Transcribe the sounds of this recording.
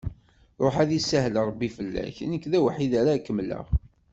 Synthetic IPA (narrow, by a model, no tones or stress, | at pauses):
ɾˤoħæðisæɦlɾˤəbːifəlːæ̰çnəkːðæwħiðæɾakːəmlə̰ʁ